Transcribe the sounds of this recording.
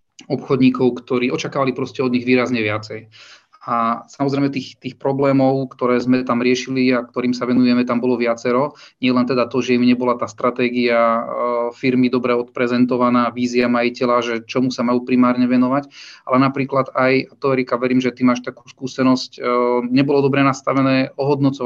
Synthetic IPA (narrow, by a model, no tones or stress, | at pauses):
ɔpxɔd̪ɲiːkɔʊkt̪ɔɾiːɔt͡ʃakaːʋalipɾɔscɛɔd̪ɲiɣʋiːɾazɲɛʋɪat͡sɛj | asamɔzɾɛjmɛt̪iːxt̪iːxpɾɔblɛːmɔʊkt̪ɔɾɛːzmɛt̪amɾɪɛʃiliak̚t̪ɔɾiːmsaʋɛnujɛmɛt̪ambɔlɔʋɪat͡sɛɾɔɲɪɛlɛnt̪ɛd̪at̪ɔʒɛimɲɛbɔlat̪aːst̪ɾat̪ɛːɡia | fiɾmid̪ɔbɾɛɔt̪pɾɛzɛnt̪ɔʋanaːʋiːziamajicɛlaʒɛt͡ʃɔmusamajuːpɾimaːɾɲɛʋɛnɔʋaca̰lɛnapɾiːklad̪ajt̪ɔɛɾikaʋɛɾiːmʒɛt̪imaːʃt̪aku̥ːskuːsɛnɔscɲɛbɔlɔd̪ɔbɾɛnast̪aʋɛnɛːɔɦɔd̪nɔt͡sɔ